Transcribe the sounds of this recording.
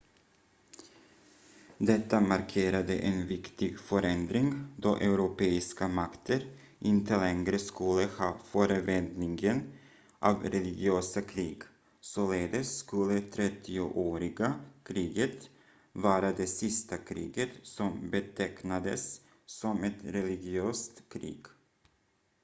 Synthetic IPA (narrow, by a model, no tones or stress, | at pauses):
d̪ɛt̪ːamaɾkʰeːɾad̪ə̰ʔɛnvɪkt̪ɪɡfœɾɛnd̪ɾɪŋd̪ɔʔɛʉɾʊpeːɪskamakt̪ʰəɾ | ʔɪnt̪əlɛŋɡɾəskɵlːəhɑːfœːɾəvɛnd̪nɪŋɡən | ʔavɾɛlɪɡɪøːsakʰɾiːɡ | soleːd̪əskɵlːət̪ʰɾɛt̪ʰːɪʊʔoːɾɪɡakʰɾiːɡət̪ | vɑːɾad̪ɛsɪst̪akʰɾḭːɡət̪sɔmbɛt̪ʰɛknad̪ə̰sː | ɔmɛt̪ɾɛlɪɡɪøːst̪kʰɾḭːɡ̥